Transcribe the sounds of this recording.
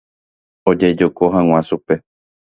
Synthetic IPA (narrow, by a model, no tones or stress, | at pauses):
od͡ʒed͡ʒokoɦãŋ̃ʷãʃupe̞